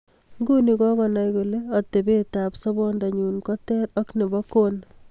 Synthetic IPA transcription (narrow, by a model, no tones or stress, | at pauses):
ŋɡunikɔkɔnajkuleɔtebetaːpsɔbɔndaɲuːnkɔtɛɾɔknebɔkon